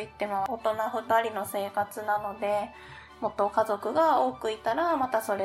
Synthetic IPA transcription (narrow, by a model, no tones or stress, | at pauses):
it̪ːe̞mo̞ːt̪o̞naɸɯ̟t̪aɾʲino̞se̞ːkat͡sɨnano̞d̪e̞ | mo̞t̪ːo̞kazo̞kɯ̟ɡao̞ːkɯ̟it̪aɾamat̪aso̞ɾe